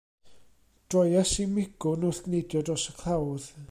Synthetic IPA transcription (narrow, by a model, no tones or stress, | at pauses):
d̥rɔjasimɪɡ̥ʊnʊθɡ̥nejdjɔdɔsəkʰlˠawð